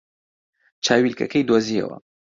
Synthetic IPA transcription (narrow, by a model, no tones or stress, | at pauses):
t͡ʃʰaːwilkɐkɐjd̪oːziɐ̰wɐ̰